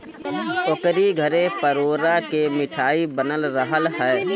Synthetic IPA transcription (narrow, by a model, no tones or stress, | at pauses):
okɾiɡʱəɾẽpəɾoːɾakemɪʈʰaːibənəlɾəɦəlɦɛː